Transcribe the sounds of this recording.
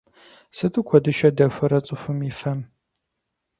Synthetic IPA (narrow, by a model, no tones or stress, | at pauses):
sɨtʰʼɨkʷʰɔdɨʃɐdɐfʷɐɾɐt͡sʼɨfʊmifɐm